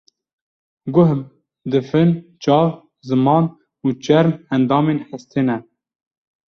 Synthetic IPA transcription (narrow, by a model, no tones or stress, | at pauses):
ɡʊɦb | d̪ɨfɨnt͡ʃɑːv | zɨmɑːn | uːt͡ʃɛɾmænd̪ɑːmeːnħəst̪ʰenɛ